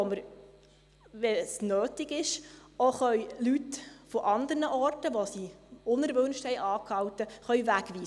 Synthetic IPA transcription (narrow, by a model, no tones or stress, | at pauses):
ɔməɾ | ʋɛsnøːtɪɡɪʃoχœjlytfɔʔɑnd̪əɾnəʔɔrtəʋosiʊnɛɾʋɵnʃthɛjʔɑːkhɑwtəχœɥvækʋiːsə